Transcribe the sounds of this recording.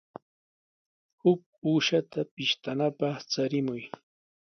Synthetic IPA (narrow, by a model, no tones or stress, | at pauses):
hʊk̚uːʃat̪apɪʃt̪anapɑχt͡saɾɪmʊj